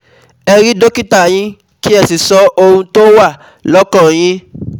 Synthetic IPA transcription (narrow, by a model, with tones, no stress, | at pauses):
ɛ˧ɾi˦do˦ki˦ta˦˨j̃ĩ˦ | ki˦ɛ˧˨si˨sɔ˨˦ʔo˧ũ˧to˦wa˦˨ | lɔ˦kɔ̃˦˨j̃ĩ˦